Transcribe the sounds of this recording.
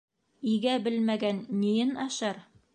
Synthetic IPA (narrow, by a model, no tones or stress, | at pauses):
iɡæbɘlmæɡænːijɘnɑʃɑɾ